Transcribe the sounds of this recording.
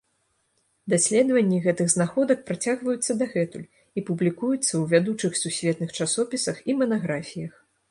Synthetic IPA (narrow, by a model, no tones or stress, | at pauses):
d̪asʲlʲɛd̪vɐnʲːiɣɛt̪ɨɣznaxɔd̪ɐk̚pɾat͡sʲaɣvɐjut̪sːɐd̪aɣɛt̪ṵlʲ | ipublʲikujut̪sːɐwvʲad̪ut͡ʂɨxsusʲvʲɛt̪nɨxt͡ʂasɔpʲisɐximɐnaɣɾafʲijɐx